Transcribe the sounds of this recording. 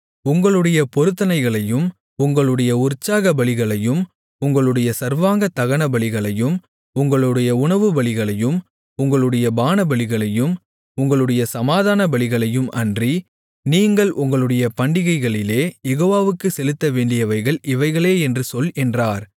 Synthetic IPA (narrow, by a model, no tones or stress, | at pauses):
ʊŋɡɐɭɯɽɐjɐpɔɾɯt̪ːɐnɐɪɣɐɭɐjɯm | ʊŋɡɐɭɯɽɐjɐʊrt͡ʃːaːɣɐbɐɭɪɣɐɭɐjɯm | ʊŋɡɐɭɯɽɐjɐsɐɾʋaːŋɡɐt̪ɐɣɐɳɐbɐɭɪɣɐɭɐjɯm | ʊŋɡɐɭɯɽɐjɐʊɳɐʋɯbɐɭɪɣɐɭɐjɯm | ʊŋɡɐɭɯɽɐjɐbaːnɐbɐɭɪɣɐɭɐjɯm | ʊŋɡɐɭɯɽɐjɐsɐmaːðaːnɐbɐɭɪɣɐɭɐjɯmʔɐndri | niːŋɡɐɭʔʊŋɡɐɭɯɽɐjɐpɐɳɖɪɣɐɪɣɐɭɪleːjɛɣoːʋaːʋɯkːɯsɛlɯt̪ːɐʋeːɳɖɪjɐʋɐɪɣɐɭɪʋɐɪɣɐɭeːɛndrɯsɔlɛndraːɾ